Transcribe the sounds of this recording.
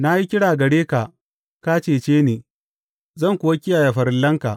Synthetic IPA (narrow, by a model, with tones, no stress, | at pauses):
na˦ji˦kʲɪ˦ɽaː˨ɡɐ˨ɽeː˦ka˨ | ka˦t͡ʃeː˨t͡ʃeː˦neː˨ | zɐ˦˨ŋkʷʊ˨wɐ˦kʲɪ˦jaː˨ja˨ɸɐ˨ɾɪ˦lːɐ˦ŋka˨